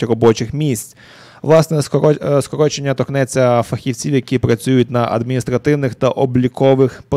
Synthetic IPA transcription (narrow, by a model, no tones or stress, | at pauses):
ɾɔbɔt͡ʃɪxmʲisʲt͡sʲ | ʋlˠɑsnɛskɔɾɔt͡ʃenʲːɐt̪ɔknɛt͡sʲːɐfɐxʲiwt͡sʲiwjɐkʲipɾɐt͡sʲujʊt̚ʲnɐʔɐ̰d̪mʲinʲist̪ɾɐt̪ɪwnɪxt̪ɐʔɔblʲikɔʋɪxpɔ